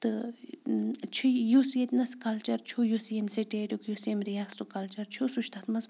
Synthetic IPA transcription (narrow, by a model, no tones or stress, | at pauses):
t̪ɨ | t͡ʃʰijosjet̪ʲnɐskɐlt͡ʃɐɾt͡ʃʰojosjemsiʈeːʈʲukjosemɾiakst̪ukɐlt͡ʃɐɾt͡ʃʰosuʃt̪ʰat̪mɐs